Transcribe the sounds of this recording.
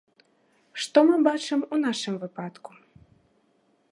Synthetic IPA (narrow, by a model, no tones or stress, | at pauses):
ʂt̪ɔmɨbat͡ʂɨmunaʂɨmvɨpat̪ku̥